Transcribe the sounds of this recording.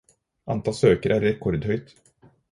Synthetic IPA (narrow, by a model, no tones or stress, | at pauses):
ʔant̪ʰɑːsøːkəɾæɾːɛkʰːɔɾd̪hœjt̪